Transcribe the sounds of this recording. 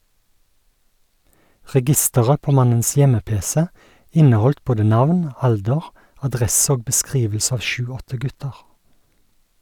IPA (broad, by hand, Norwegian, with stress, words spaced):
ʁɛˈɡɪstəʁə ˈpoː ˈmɑnəns ˈjɛməˌpeːsɛ ˈɪnəˌhɔlt ˈboːdə ˈnɑʋn ˈɑldəʁ ɑˈdʁɛs ˈoːɡ bəˈskʁiːʋl̩s ˈɑːʋ ˈʃʉːˌɔtə ˈɡʉtəʁ